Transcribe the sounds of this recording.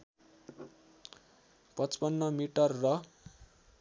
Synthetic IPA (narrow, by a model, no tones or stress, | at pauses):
pʌt͡spʌnːʌmiʈʌrːʌ